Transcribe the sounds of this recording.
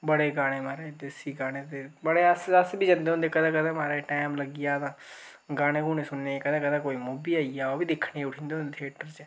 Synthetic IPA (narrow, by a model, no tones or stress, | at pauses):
bəɽeːɡaːɽ̃eːmaːɾeːd̪eːsiːɡaːɽ̃eːt̪ebəɽeːəsəsbʱiːd͡ʒə̃nd̪eːʊ̃nd̪eːkəd̪ãːkəd̪ãːmaːɾeʈɛːmləɡɪjaːd̪ãː | ɡaːɽ̃ẽːkũːnesʊnnekəd̪ãːkəd̪ãːkoːimuːbiːaːijaːoːbiːd̪ɪkʰɽeʊʈʰĩːnd̪eːõnd̪eːt̪ʰeːʈəɾt͡ʃe